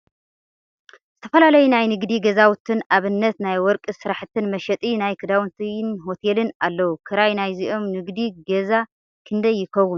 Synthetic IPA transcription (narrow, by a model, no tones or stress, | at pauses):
zɨt̪ʰɐ̥fɐlalɐjunajnɨɡd̪iɡɐzawʊt̪ʰɨnaβɨnːɐt̪najwɔɾkʼɨsɨɾaħɨt̪ʰːɨnmɐʃɛt̪ʼinajkʰɨd̪awnt̪ʰinɦo̞t̪ʰelɨnalːɐwukʰɨɾajnajziʔo̞mnɨɡd̪iɡɐza | kʰɨnd̪ɐjːɪkʰɐwːʊn